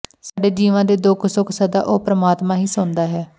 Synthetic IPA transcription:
saːɖeːd͡ʒiːʋãːd̪eːd̪ʊːkʰsʊkʰsəd̪a̰ːʔoːpɾəmaːt̪mãːɦiːsʊnd̪aːɦɛː

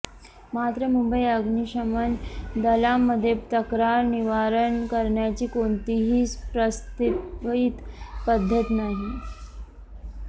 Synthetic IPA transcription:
mat̪ɾəmumbəiəɡniɕəmənd̪əlamːəd̪ʱːjet̪əkɾaɾniʋaɾənkəɾɳjat͡ɕiːkoɳt̪iɦiːspɾəst̪it̪pəd̪ʱːət̪naɦi

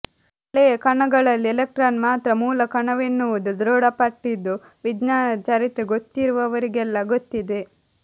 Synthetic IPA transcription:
ɭekɐɳɐɡɐɭɐlːielek̚ʈɾaːnmaːt̪ɾɐmuːlɐkɐɳɐʋenːuʋud̪ud̪ɾoːɽɐpɐʈːid̪ːu | ʋidnaːnɐt͡ʃɐɾit̪ɾeɡot̪ːiɾuʋɐʋɐɾiɡɛlːɐɡot̪ːid̪e̞

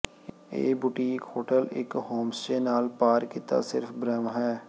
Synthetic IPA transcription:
ḛːbʊʈiːkoːʈəlɪ̰khoːmsʈeːnaːlpaːɾkɪt̪a̰ːsɪɾfbɾɛmɦɛː

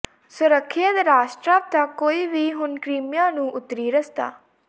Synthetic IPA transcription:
sʊɾəkʰːɪəd̪ɾaːʃʈɾaːʋ̚t̪aːkoːiːʋiːɦʊnkɾiːmjãːnũːʔʊt̪ɾiːɾəst̪a̰ː

